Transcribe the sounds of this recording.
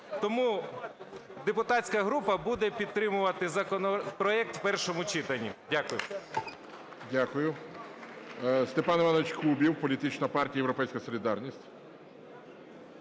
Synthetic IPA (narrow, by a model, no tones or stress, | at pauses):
t̪ɔmu | d̪epʊt̪ɑtʲsʲkɐɦɾupɐbud̪ɛpʲid̪̚t̪ɾɪmʊʋɐt̪ɪzɐkɔnɔpɾɔɛk̚t̪wpɛrʃɔmʊt͡ʃit̪ɐnʲḭdʲakʊjʊ̰ | dʲakʊjʊ | st̪epɑnɪʋɑnɔʋɪt͡ʃʲkubʲiwpɔlʲit̪ɪt͡ʃnɐpɑrtʲijɐjewɾɔpɛjsʲkɐsɔlʲid̪ɑrnʲisʲtʲ